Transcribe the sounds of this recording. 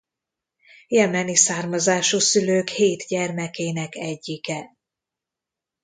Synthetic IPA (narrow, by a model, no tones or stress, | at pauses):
jɛmɛnisaːrmɒzaːʃusyløːkheːt̪ɟɛrmɛkeːnɛkɛɟːikɛ